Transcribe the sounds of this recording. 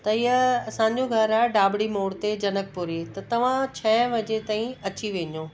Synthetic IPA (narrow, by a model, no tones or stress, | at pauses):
t̪ɐɪɦəɐsãːɲ̆d͡ʑoɡʱɐɾaːɪɖaːbɽimoːɽt̪ed͡ʑɐnək̚puɾet̪ɐt̪ɐʋ̤ãt͡ɕʰɛ̃ʋɐd͡ʑet̪aːĩɐt͡ɕiʋẽːɲõː